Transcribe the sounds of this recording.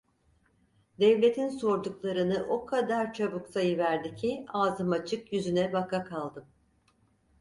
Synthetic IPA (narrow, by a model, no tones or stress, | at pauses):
d̪ɛvlʲe̞t̪ʰinso̞ɾd̪uklˠaɾɯnɯʔo̞kʰad̪aɾt͡ʃʰabuksʰajɯvæɾd̪icʰiaːzɯmat͡ʃʰɯkjyzynɛbakakʰalˠd̪ɯm